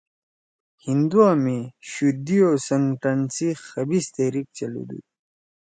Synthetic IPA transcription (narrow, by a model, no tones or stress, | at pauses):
hind̪uameɕud̪iosɐŋʈɐnsixɐbist̪eɾik̚t͡ɕɐlṵd̪ṵ